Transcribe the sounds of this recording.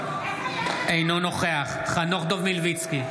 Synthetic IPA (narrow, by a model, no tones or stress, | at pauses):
ejnonoχeaχχanoχd̪ovmilvit͡ski